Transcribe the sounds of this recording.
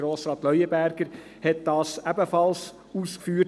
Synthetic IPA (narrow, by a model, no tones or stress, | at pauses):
ɾoːsɾɑːt̪lœʏəbæɾɡ̥əɾ | hɛt̪̚d̥ɑːsæbəfɑls | uːskfyː